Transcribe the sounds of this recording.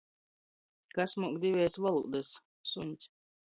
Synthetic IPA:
kasmuɔkd̪ivʲɛːsvalˠṵːd̪as | sunʲt̪sʲ

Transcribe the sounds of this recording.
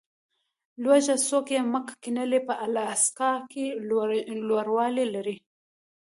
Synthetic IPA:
lwaʒasokeməkkinəlepəʔalɑskɑke | lwoɾwɑlelaɾi

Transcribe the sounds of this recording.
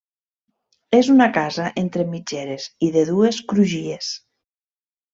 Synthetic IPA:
ezunakazaʔent̪ɾemid͡ʒeɾeziðeðueskɾuʒies

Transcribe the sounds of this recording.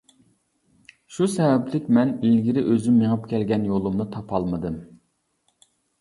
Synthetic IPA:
ʃusɛvɛplɪkʲmɛnilɡʲiɾɪʔøzymːeŋɨpkʲɛlɡʲɛnjolˠumnɨt̪ʰɑpʰɑlˠmɨd̪ɨm

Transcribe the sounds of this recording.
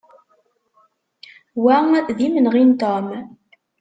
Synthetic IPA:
wæðimənʁint̪om

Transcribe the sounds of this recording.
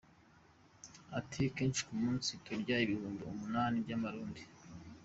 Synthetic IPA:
atʰikeːnʃi̥kumuːnsitʰoɾɟaiβihuːmboumunaːnibɟamaɾuːndi̥

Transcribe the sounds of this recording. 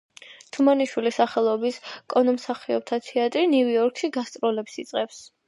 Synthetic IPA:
t̪ʰumaniʃwilisaχɛlˠɔbiskʼɔnɔmsaχiɔb̚t̪ʰat̪ʰɛat̪ʼɾiniviɔɾkʰʃiɡast̪ʼɾɔlɛpsit̪sʼqʼɛps

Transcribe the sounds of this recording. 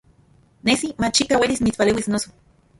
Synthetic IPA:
nesimat͡ʃikawelismit͡spalewisnoso̥

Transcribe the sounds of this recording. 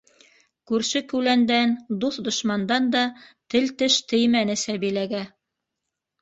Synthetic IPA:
kʉɾʃɘkʉlænd̪ænd̪uθd̪ŏʃmɑnd̪ɑnd̪ɑt̪ɘlt̪ɘʃt̪ɘ̆jmænɘ̆sæβilæɡæ

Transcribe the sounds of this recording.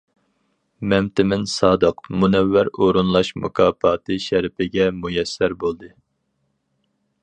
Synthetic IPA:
mɛmt̪ʰɪmɪnsɑːd̪ɨqmunɛvːæɾoɾunlˠɑʃmṵkʰɑːpɑːt̪ʰɨʃɛɾɪpɪɡʲɛmujɛsːæɾbolˠd̪ɨ

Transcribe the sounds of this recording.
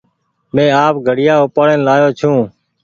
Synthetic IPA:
mẽːaːpɡʱəɽɪjaːʊpaːleːnlaːjoːt͡ʃʰũː

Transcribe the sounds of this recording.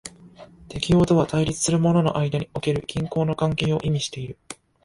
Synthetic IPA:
t̪e̞kʲijo̞ːt̪o̞β̞at̪aiɾʲit͡sɨ̥sɨɾɯ̟mo̞no̞no̞ʔaid̪aɲ̟io̞ke̞ɾɯ̟kʲĩŋko̞ːno̞kãŋke̞ːo̞ʔimʲiɕi̥t̪e̞iɾɯ̟

